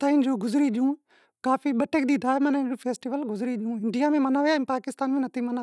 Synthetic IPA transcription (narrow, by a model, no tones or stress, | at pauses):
t̪aɪ̃nd͡ʒoːɡʊzɾiɗɪjũː | kaːfiɓɐʈek̚d̪iːd̪ʱaːemɐnaɪ̃nd͡ʒoːpʰeːsʈiʋəlɡʊzɾiɗɪjũːɪɳɖijamẽmɐnaːʋejaĩpaːkɪst̪aːnmẽnɐt̪ʰimɐna